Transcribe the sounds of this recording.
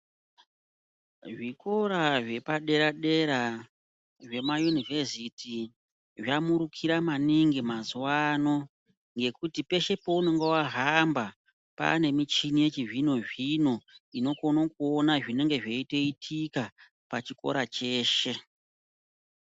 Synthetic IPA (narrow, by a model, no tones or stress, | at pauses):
ʐiko̞ɾaʐe̞paɗe̞ɾaɗe̞ɾa | ʐe̞majunivesitʰi | ʐamuɾukʰiɾamaniŋɡimazuwano̞ | ŋɡe̞kutipe̞ʃe̞po̞uno̞ŋɡewaɦamba | pa̰ne̞mit͡ʃinije̞t͡ʃiʐino̞ʐino̞ino̞ko̞nokuonaʐine̞ŋɡe̞ʐe̞ite̞itʰika | pat͡ʃiko̞̰ɾat͡ʃe̞ːʃe̞